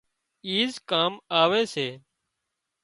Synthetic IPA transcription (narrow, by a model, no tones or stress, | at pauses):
iːzkaːmaːʋeːseː